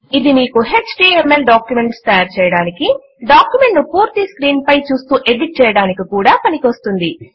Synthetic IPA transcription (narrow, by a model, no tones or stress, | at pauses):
id̪imiːkuɦe̞t͡ʃʈiːemelɖaːkjume̞ɳʈst̪ɐjaːɾt͡ʃɛːjɐɽaːniki | ɖaːkjume̞ɳʈnupuːɾt̪iskɾiːnpɐjt͡ʃuːst̪uːʔe̞ɖiʈ̚t͡ʃɛːjɐɽaːnikikuːɽaːpɐnikʋɐst̪und̪i